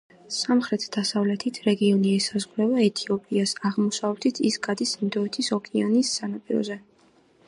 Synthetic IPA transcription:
samχɾɛt̪ʰd̪̥asavlɛt̪ʰit̪ʰɾɛɡiɔniɛsazʁɾɛvaɛt̪ʰiɔpʼiasaʁmɔsavɛt̪ʰit̪ʰisɡʼad̪ismd̪ɔɛt̪ʰisɔkʼianisːanapʼiɾɔ̰zɛ

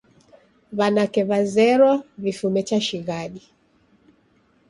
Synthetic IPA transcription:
βanakɛβazɛɾɔvifumɛt͡ʃaʃiɣaɗi

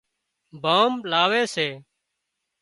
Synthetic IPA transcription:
bʱaːmlaːʋeːseː

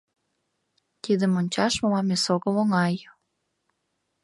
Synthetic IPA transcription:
t̪id̪ə̆monʲt͡ɕɑʃmomɑmesoɣəmoŋɑj

